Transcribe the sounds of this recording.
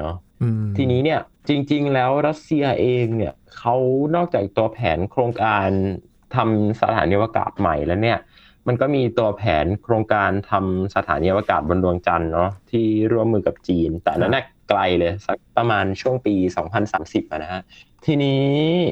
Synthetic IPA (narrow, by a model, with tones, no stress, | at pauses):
nɔ˦ | t̪ʰiː˧niː˦˥ni˥˩ɐ | t͡ɕi˧ŋt͡ɕi˧ŋlɛː˦˥wɾa˦˥t̪̚si˧ɐʔeː˧ŋni˥˩ɐkʰa˦˥wnɔː˥˩k̚t͡ɕaː˨˩k̚t̪u˧ɐpʰɛ̰ː˩˦nkʰɾoː˧ŋkaː˧n | t̪ʰa˧msa̰˧t̪ʰaː˩˦niː˧waː˧ka̰ː˨˩t̪̚ma̰˨˩jlɛː˦˥wni˥˩ɐ | ma˧nkɔː˥˩miː˧t̪u˧ɐpʰɛː˩˦nkʰɾoː˧ŋkaː˧nt̪ʰa˧msa˧t̪ʰaː˩˦niː˧waː˧kaː˨˩t̪̚bo˧ndu˧əŋt͡ɕa˧nːɔ˦˥t̪ʰiː˥˩ɾu˥˩əmːɯː˧ka˨˩p̚t͡ɕiː˧nt̪ɛ̰ː˨˩na˦˥nːaː˥˩kla˧jlɤː˧jsa˦˥k̚pɾa˧maː˧nt͡ɕʰu˥˩əŋpiː˧sɔ̰ː˩˦ŋpʰa˧nsaː˩˦msi˨˩p̚ʔa˨˩na˦˥hʰa˦˥ | t̪ʰiː˧niː˦˥